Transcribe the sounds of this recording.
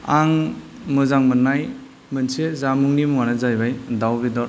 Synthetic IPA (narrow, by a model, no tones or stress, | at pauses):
aŋ | mɯzaŋmɯnːaj | mɯnsezamuŋnimuŋanazajbajdawbidɔɾ